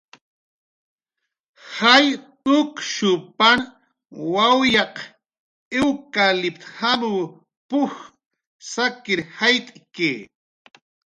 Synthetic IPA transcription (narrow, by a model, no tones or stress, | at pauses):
haj | ʊkʃʊpan | wawjɑq | ɪwkalɪpt̪hamuw | pʊx | sakɪɾhajt̪ʼkeː